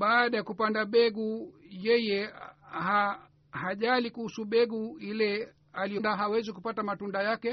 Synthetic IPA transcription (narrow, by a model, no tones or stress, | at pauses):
ɓaːɗajakupandaɓɛɡujɛjɛha | haʄalikuhusuɓɛɡuilɛ | alijɔndaɦawɛzikupatamatundajakɛ